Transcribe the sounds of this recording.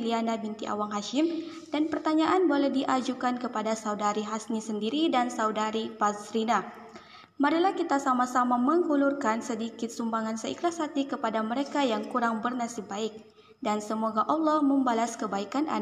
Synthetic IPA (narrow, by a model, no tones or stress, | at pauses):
lianabint̪iʔa̰waŋɦaʃɪm | d̥anpərt̪aɲaʔanbolɛhdiʔad͡ʒukankəpadasaudaɾiɦasnisəndiɾidansaudaɾipazɾina | maɾilahkit̪asamasamaməŋhulurkansədikɪt̪̚sumbaŋansəḭkɾasat̪ikəpadaməɾekajaŋkuɾaŋbərnasibaɪk̚ | dansəmoɡaʔɔlːɔməmbalaskəbaikanʔa̰n